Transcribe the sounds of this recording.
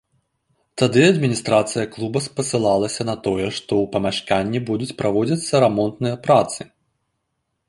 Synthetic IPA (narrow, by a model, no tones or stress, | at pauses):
t̪ad̪ɨɐd̪mʲinʲist̪ɾat̪sɨjɐklˠubɐspɐsɨlˠalˠɐsʲɐnɐt̪ɔjɛʂt̪ɔwpɐmʲaʂkanʲːibud̪ut͡sʲpɾavɔd͡zʲɐt̪sːɐɾamɔnt̪nɨjɐpɾat̪sɨ